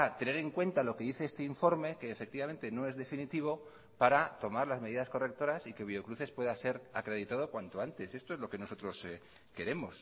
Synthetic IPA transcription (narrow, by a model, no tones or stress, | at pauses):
at̪e̞ne̞ɾe̞ŋkwe̞nt̪alo̞ke̞ðiθe̞est̪eiɱfo̞ɾme̞ke̞ːfe̞k̚t̪iβame̞nt̪e̞no̞e̞zðe̞finit̪iβ̞o̞ | paɾat̪o̞maɾlazme̞ðiðasko̞re̞k̚t̪o̞ɾasike̞β̞io̞kɾuθe̞spwe̞ðase̞ɾakɾe̞ð̞it̪að̞o̞kwant̪o̞ant̪e̞se̞st̪o̞ezlo̞ke̞no̞so̞t̪ɾo̞ske̞ɾe̞mo̞s